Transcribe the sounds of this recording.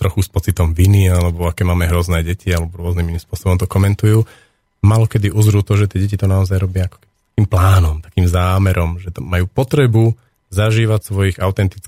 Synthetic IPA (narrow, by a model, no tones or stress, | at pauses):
t̪ɾɔxuspɔt͡sit̪ɔmʋinialɛbɔakɛːmaːmɛɦɾɔznɛːɟɛcialɛbɔɾʊɔzniminimspʊɔsɔbɔmt̪ɔkɔmɛnt̪ujuː | malɔkɛd̪iʔuzɾuːt̪ɔʒɛt̪ɪɛɟɛcit̪ɔnaɔzajɾɔbɪaakɔ̥kɛbit̪ḁkiːmplaːnɔmt̪ḁkiːmzaːmɛɾɔmʒɛt̪majuːpɔt̪ɾɛbu | zaʒiːʋacsʋɔjiɣaʊt̪ɛnt̪it͡sk